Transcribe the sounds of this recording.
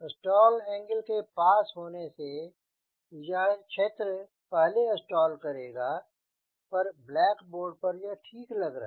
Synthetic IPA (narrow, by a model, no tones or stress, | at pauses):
ɪsʈɔːlɛ̃ːŋɡəlkepaːsɦoːnese | d͡ʒaːkʃʰeːt̪ɾə | pɛɦleɪsʈɔːlkɐɾeːɡaː | pɐɾblɛːkboːɾɖ̚pɐɾjɐʈʰiːklɐɡɾa